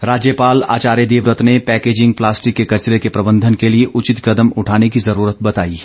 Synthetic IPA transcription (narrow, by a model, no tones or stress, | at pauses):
ɾaːd͡ʒjəpaːla̰ːt͡ʃaːɾjed̪eːʋɾət̪nepɛːkeːd͡ʒɪ̃ŋɡ̚plaːsʈɪkːekɐt͡ʃɾekepɾɐbə̃nd̪ʱənkelieʔʊt͡ʃɪt̪kɐd̪əmʊʈʰaːnekizɐɾuːɾət̪̚bɐt̪a̰ːiː